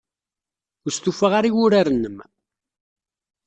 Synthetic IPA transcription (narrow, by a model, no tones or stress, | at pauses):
ʊɾst̪ufəʁaɾiwʊɾaɾənːəm